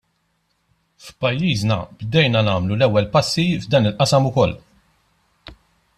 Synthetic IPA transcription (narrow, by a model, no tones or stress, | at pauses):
fpɐjːiːznɐ̰bd̪ɛjnɐnɐːmlulɛwːɛlpɐsːivd̪ɐːnɪlʔɐsɐmʊkɔlː